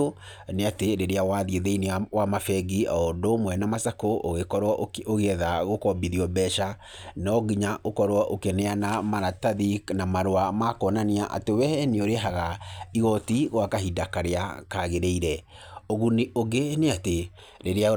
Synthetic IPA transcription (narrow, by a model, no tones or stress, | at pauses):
o | neateɾeɾeawaðieðeinewamafɛɡiaɔdomwɛnamasakoʔoɣekɔɾwaoɣeɛðaɣokɔbiðiɔbɛʃa | nɔɣiɲaʔokɔɾwaʔokeneanamaɾataðiknamaɾoamakɔnaniaʔa̰tewɛɛneoɾeɦaɣaiɣɔtiɣwakaɦidakaɾeakaɣeɾeiɾɛ | oɣunioɡeneate | ɾeɾea